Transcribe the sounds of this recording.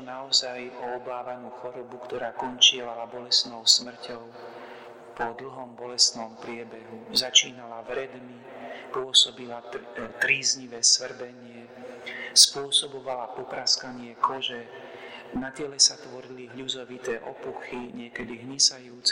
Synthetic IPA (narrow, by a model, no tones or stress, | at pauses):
naɔzajɔɔbaːʋanuːxɔɾɔbukt̪ɔɾaːkɔnt͡ʃɪɛlalabɔlɛst̪nɔʊsmr̩cɔʊ | pɔd̪l̩ɦɔmbɔlɛst̪nɔmpɾɪɛbɛɦuzat͡ʃiːnalaʋɾɛd̪mi | pʊɔsɔbilat̪ɾiːzɲiʋɛːsʋr̩bɛɲɪɛ | spʊɔsɔbɔʋalapɔpɾaskaɲɪɛkɔʒɛ | nat̪ɪɛlɛsat̪ʋɔɾiliɦʎuzɔʋit̪ɛːʔɔpuxiɲɪɛkɛd̪iɦɲisajuːt͡s